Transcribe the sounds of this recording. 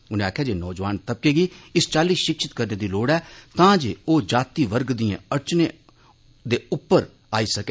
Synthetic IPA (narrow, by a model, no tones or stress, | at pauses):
ʊnẽːaːkʰːjaːd͡ʒeːnɔːd͡ʒʋaːnt̪əp̚keːɡiːɪst͡ʃaːliːʃɪkʃɪt̪kəɾneːd̪iːloːɽɛːt̪ãːd͡ʒeːoːd͡ʒaːt̪iːʋəɾɡd̪ɪjãːəɾt͡ʃneː | d̪eːʊpːəɾ | aːiːsəkeː